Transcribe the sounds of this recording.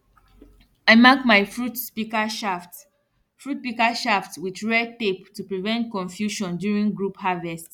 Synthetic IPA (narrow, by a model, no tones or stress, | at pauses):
aɪmakmaɪfɹutspikaʃaft | fɹut̚pikaʃaftwiðɹɛteptupɹivɛ̃nt̚kɔ̃ɱfjuʃɔ̃ndjuɹĩŋɡɹuphavɛst